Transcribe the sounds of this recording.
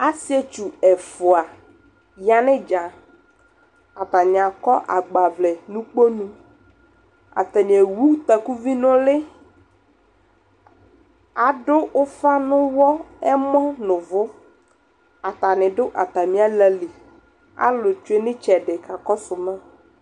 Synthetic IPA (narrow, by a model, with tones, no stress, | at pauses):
a˦si˦ɛ˦t͡ʃu˨ɛ˨fʊ˨a˨ | ja˨nɪ̃˦d͡ʒa˨ | a˨t̪a˨ɲ˨a˨kɔ˦ʔa̰˨ɡ͡ba˨vlɛ˨nũ˦k͡po˦nũ˦ | a̰˨t̪ɛ˨ɲe˨wu˦t̪a˨ku˦vi˦nʊ̃˦lɪ˦ | a˨ɖʊ˦ʊ˦fa˦nʊ̃˦wɔ˦ɛ˦mɔ̃˦nʊ̃˨vʊ˦ | a˨t̪a˨nɪ̃˨ɖʊ˦ʔa˨t̪a˨mĩ˦a˦lɛ˨li˨ | a̰˦lʊ˨t͡ʃu˦e˦nɪ̃˦t͡ʃɛ˨ɖɪ˨ka˨kɔ˦sʊ˨mɛ̃˦